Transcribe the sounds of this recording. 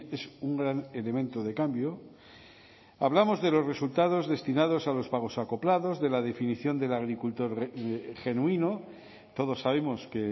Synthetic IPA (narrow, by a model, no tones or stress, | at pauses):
esuŋɡɾane̞le̞mẽ̞nt̪oðe̞kambjo | aβlamo̞zðe̞lo̞zresult̪að̞o̞zðe̞st̪inað̞o̞salo̞spaɣ̞o̞sako̞plaðo̞zðe̞lað̞e̞finiθjo̞nd̪e̞laɣ̞ɾikult̪o̞ɾxe̞nuino | t̪o̞ð̞o̞sːaβ̞e̞mo̞ske